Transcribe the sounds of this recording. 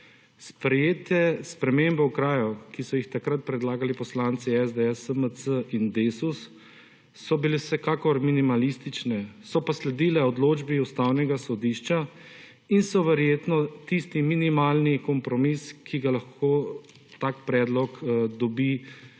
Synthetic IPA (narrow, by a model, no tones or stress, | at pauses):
spɾɛjeːt̪ɛspɾɛmembɛwkɾaːjukisɔjixt̪akɾat̪̚pɾɛd̪laːɡalipɔslaːnt̪siɛzd̪eɛsəmət͡s̪əʔind̪esusː | ɔbilewsɛkaːkɔɾminimalist̪it͡ʃnɛsɔpaslɛd̪iːlɛɔd̪loːd͡ʒbiust̪awnɛɡasɔd̪iʃt͡ʃa | insɔʋɛɾjeːt̪nɔt̪ist̪iminimaːlnikɔmpɾɔmiskʰiɡalaxkʰoː | t̪aːkpɾɛd̪lɔkd̪ɔbi